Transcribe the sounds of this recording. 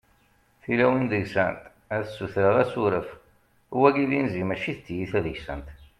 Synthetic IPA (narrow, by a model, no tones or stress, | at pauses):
θilæwənd̪əʝsænt̪ | æθsːuθɾəðæsuɾəf | uwæɡiðinzimæʃiθət̪ːjiθæðəʝsænt̪